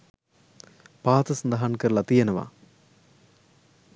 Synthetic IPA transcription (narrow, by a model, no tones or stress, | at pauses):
paːt̪ɐsɐnd̪ɐɦaːɳkɐɾlɐt̪ijɐnɐʋa̰ː